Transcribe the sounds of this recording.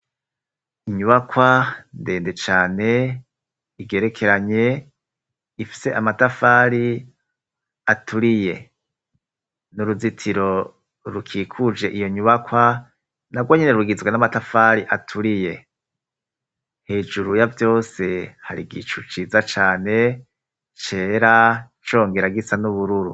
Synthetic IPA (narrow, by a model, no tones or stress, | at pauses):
iɲuβakwande̞ːnde̞t͡ʃaːne̞ | iɡe̞ːɾe̞kʰe̞ɾaɲe̞ | ifi̥se̞ʔamatafaːɾi | atʰuɾije̞̰ | nuɾuzitʰiɾo̞ | ɾukʰiːkʰud͡ʒe̞ʔijo̞ɲuβakwa | naɡwoɲeneɾuɡizɡwenamatafaɾiʔatʰuɾije̞ | he̞ːd͡ʒuɾujavjo̞ːse̞haɾḭɡḭt͡ʃut͡ʃiːzat͡ʃaːne̞ | t͡ʃe̞ːɾa | t͡ʃo̞ːŋɡeɾaɡisanuβuɾuɾu